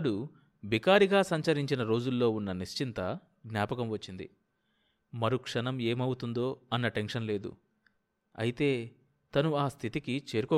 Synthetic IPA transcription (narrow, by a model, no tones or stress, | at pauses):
ɽu | bikaːɾiɡaːsɐɲt͡ʃɐɾiɲt͡ʃinɐɾo̞ːd͡ʒulːo̞ːunːɐniʃt͡ʃint̪ɐ | ɡnjaːpɐkɐmʋɐt͡ʃːind̪ḭ | mɐɾukʂɐnɐme̞ːmɐwut̪und̪o̞ːɐnːɐʈe̞nʂɐnle̞ːd̪ṵ | ɐ̰jit̪e̞ː | t̪ɐnuaːst̪ʰit̪ikit͡ʃe̞ːɾukɔː